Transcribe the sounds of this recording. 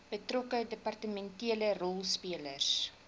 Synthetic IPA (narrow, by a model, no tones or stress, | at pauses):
b̥ətrɔkədəpɑrtəmɛntiələrɔlˠspiələrs